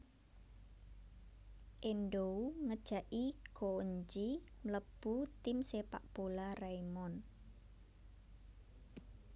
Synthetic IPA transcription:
ʔenɖouŋəd̥ʒ̥a̤ʔikoɲd͡ʒimləb̥ut̪ɪmsepa̰ʔb̥olaraimɔn

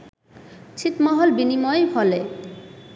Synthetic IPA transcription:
t͡ɕʰit̪mɔɦolbinimɔebʱɔle

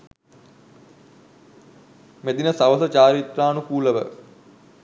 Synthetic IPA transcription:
med̪inəsaʋəsət͡ʃaːɾit̪raːnukuːləʋə̰

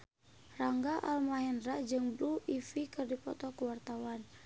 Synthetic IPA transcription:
raŋɡaʔalmaɦɛndɾaʔd͡ʒɨŋbɾuʔifikɨrdipɔt̪ɔkəwart̪awan

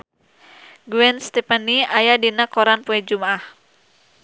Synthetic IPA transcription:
ɡuwɛnst̪ɛpaniajadinakɔɾanpuɛd͡ʒumaʔah

